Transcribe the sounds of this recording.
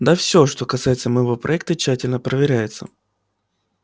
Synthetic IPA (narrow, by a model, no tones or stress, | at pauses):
d̪afsʲoʂt̪o̞kɐsajɪt̪səməjɪvo̞pɾʔɐɛk̚t̪ət͡ɕːætʲɪlʲnəpɾəvʲɪɾʲæjɪt̪sə̰